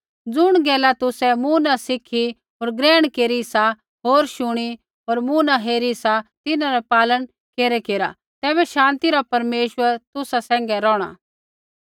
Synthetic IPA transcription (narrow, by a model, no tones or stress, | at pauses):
d͡zʊɽ̃ɡɛːlat̪ʊsɛmuːnasɪkʰi | ɦoːɾɡɾɛːɽ̃keːɾisa | ɦoːɾʃʊɽ̃i | ɦoːɾmuːnaɦeːɾisat̪ɪnãɾɛpaːlən | keːɾɛkeːɾa̰ | t̪ɛːβɛʃãːnt̪iɾapɐɾmeːʃʋəɾt̪ʊsasɛ̃ːŋ̆ɡɛɾɔːɽ̃a̰ː